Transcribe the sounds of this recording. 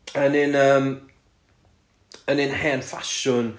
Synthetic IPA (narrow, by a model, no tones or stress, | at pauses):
ənɪnəːm | ənɪnhɛnfaʃʊn